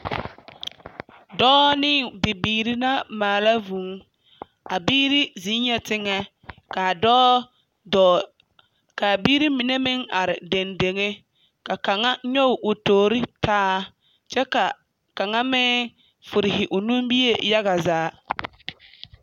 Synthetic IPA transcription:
dɔː˦nɪ˦bɪ˨biː˨ɾi˦na˦maː˨la˦vu˨˦ŋ | a˨biː˦ɾi˦zi˨˦ɲɛ˨tɪ˦ŋɛ˦ | ka˨dɔː˦ | dɔ˨ | ka˨biː˦ɾi˦mi˨ne˦mɪ˦ŋa˨ɾɪ˨de˨nde˨ŋe˦ | ka˨ka˨ŋa˦ɲɔ˦ʊ˨ʔʊ˨toː˨ɾɪ˦tʰaː˦ | t͡ʃɛ˦ka˨ | ka˨ŋa˦mɛ˦ | fʊ˨ɾɪ˨ɦɪ˨ʔʊ˨nu˦mbi˦je˦ja˦ɣa˨zaː˨˦

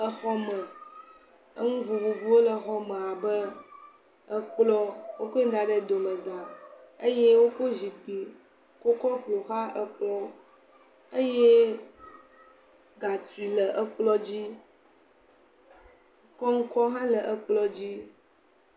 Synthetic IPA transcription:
ə˦xɔ˦mə˨ | ə˦ŋũ˦vu˨vu˨vu˦o˦lə˨xɔ˦mə̃˨a˨bə˦ | ə˦k͡plɔ˦wo˦ko˦i˦d̪a˨ɖə˨d̪o˨mə̃˨zã˨ə˦je˦wo˦ko˦zi˨pi˨ | ko˦kɔ˦ɸlo˨xa˦ʔə˦k͡plɔ˦ | ə˦je˦ | ɡa˨t̪u˨i˨lə˨ʔə˦k͡plɔ˦d͡ʑi˦ | kɔ˦ŋ̩˦kɔ˦ɦã˦lə˨ʔə˦k͡plɔ˦d͡ʑi˦

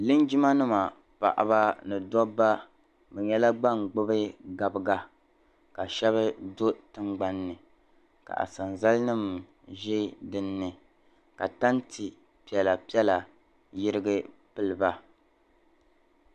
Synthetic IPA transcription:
lɨ˦nd͡ʒi˦ma˦nɨ˦ma˨ | pa̰˨ʔa̰˨ba˦nɨ˨dɔ˦bːa˦ | bɛ˨ɲɛ˦la˦ɡ͡ba˦˨ŋɡ͡bɨ˦bɨ˦ɡa˨bɨ˦ɡa˦ | ka˨ʃɛ˦βɨ˦do˦tɨ˦ŋ͡mɡ͡ba˦nːɨ˨ | ka̰˨ʔa̰˨sa˨nza˦lɨ˦nɨ˦m | ʒɛ˦dɨ˨nːɨ˨ | ka˨ta˦ntʰɨ˨ | pi˨ɛ˨la˨pi˦ɛ˦la˨ | jɪ˦ɾɨ˦ɡɨ˦pɨ˦lɨ˨ba˦

